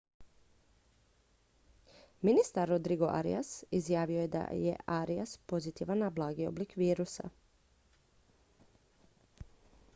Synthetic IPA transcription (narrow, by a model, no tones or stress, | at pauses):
minist̪aɾːod̪ɾiɡoʔa̰ɾḭjasizjaːʋio̞jed̪a̰jḛʔaɾiaspo̞zit̪iʋanːablˠaːɡio̞̰blikʋiːɾusa̰